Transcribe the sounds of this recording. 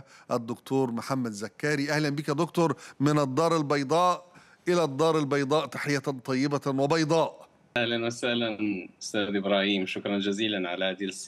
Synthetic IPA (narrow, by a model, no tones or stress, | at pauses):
ʔæd̪ːʊkt̪uːɾˤmʊħamːæd̪zækːaːɾiʔæhlænbɪkjæd̪ʊkt̪ʊɾˤmɪnɑd̪ˤːɑːɾˤɪlbɑjd̪ˤɑːʔ | ʔɪlæd̪ˤːɑːɾˤɪlbɑjd̪ˤɑːʔt̪ḁħɪjːænt̪ˤɑjːɪbawɪbɑjd̪ˤɑːʔ | ʔahlanwasahlanɪst̪aːd̪ʔɪbɾˤɑːhiːmʃʊkɾˤɑnd͡ʒaziːlanʕalahaːd̪ils